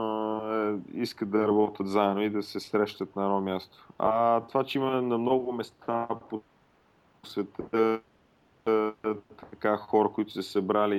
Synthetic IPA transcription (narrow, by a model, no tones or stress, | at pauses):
iskət̪d̪ɐɾɐbɔt̪ət̪zaɛnoid̪ɐsɛsɾɛʃt̪ət̪̚nɐɛd̪ɔmʲjast̪o̥at̪ovat͡ʃɛimənɐmnɔɡʊmɛst̪ʰapo | svɛt̪ | t̪ɐkaxɔɾəkʊit̪ʊ̥sɛsɐbɾali